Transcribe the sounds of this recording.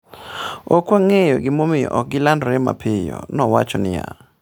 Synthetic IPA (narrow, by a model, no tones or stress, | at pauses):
okwaŋejoɡɪmomɪjɔʔɔk̚ɡɪlandɾɛma̰pʰɪjɔ̰nɔwat͡ʃɔnɪja